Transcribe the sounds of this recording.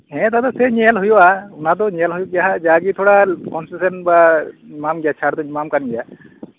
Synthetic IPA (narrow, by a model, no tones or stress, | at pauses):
ɦɛ̃t̪at̪ɔsɛɲɛɛlɦujuaʊnad̪ɔɲɛlɦujuɡjaɦad͡ʒaɡit̪ʰɔɽakɔnsisɛnbamamɡijat͡ʃʰaɾt̪ɔɲmamkanɡija